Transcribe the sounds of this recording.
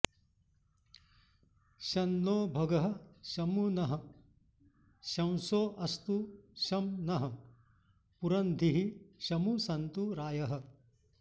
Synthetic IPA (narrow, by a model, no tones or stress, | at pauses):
ʃɐnːoːbʱɐɡɐɦɐ̆ʃɐmunɐɦɐ̆ | ʃɐ̃wsoːʔɐst̪uʃɐmnɐɦɐ | puɾɐnd̪ʱiɦiʃɐmusɐnt̪uɾaːjɐɦɐ̆